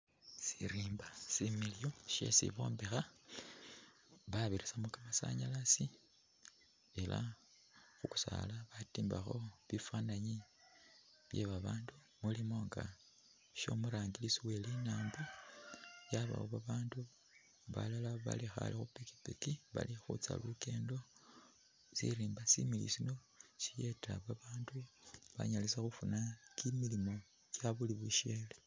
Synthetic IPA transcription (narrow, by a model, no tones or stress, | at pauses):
siɾiːmbasimiljo̞ʃe̞̰sḭβo̞̰ːmbexa | βaβiɾisamukamasa̰ɲalasi | e̞la̰ | xuku̥sa̰laβatiːmbaxo̞βifwaːnaɲi | βje̞̰βaβaːndu | mulimo̞ŋɡa̰ | ʃo̞̰muɾaːŋɡilisiwe̞linaːmbu | jaβa̰woβaβaːndu | βa̰lalaβa̰lixa̰lixupiki̥pikiβa̰lixṵt͡sa̰luke̞ːndo̞ | sḭɾiːmbasḭmilḭsino̞ | sije̞tʰa̰βaβaːnduβa̰ɲalisaxufunakimilimo̞ | cjaβuliβuʃeːle